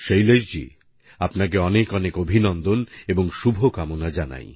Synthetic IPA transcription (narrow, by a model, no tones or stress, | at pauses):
ʃejleʃd͡ʑḭ | apnak̬eɔnekɔnekobʱinɔnd̪oneboŋʃubʱokamonad͡ʑana̰j